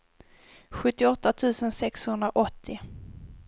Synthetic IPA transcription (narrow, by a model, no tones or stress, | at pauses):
ɧɵt̪ːɪɔt̪ːat̪ʰʉ̟ːsənsɛkshɵnd̪ɾaʔɔt̪ʰːɪ